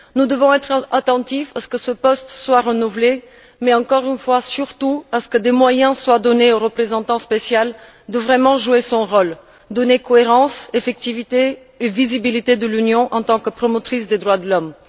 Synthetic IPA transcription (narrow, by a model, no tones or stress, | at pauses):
nud̪əvɔ̃ɛt̪χat̪ɑ̃t̪ifasə̥kəsəpɔst̪swaʁənuvle | mɛɑ̃kɔʁynfwasyʁt̪uasə̥kəd̪emwajɛ̃swad̪ɔneoʁəpχezɑ̃t̪ɑ̃spesjal | d̪əvʁɛmɑ̃ʒuesɔ̃ʁɔl | d̪ɔnekɔeʁɑ̃sefɛk̚t̪ivit̪eː | vizibilit̪ed̪əlynjɔ̃ʔɑ̃t̪ɑ̃kəpχɔmɔt̪χisd̪ed̪ʁwad̪əlɔm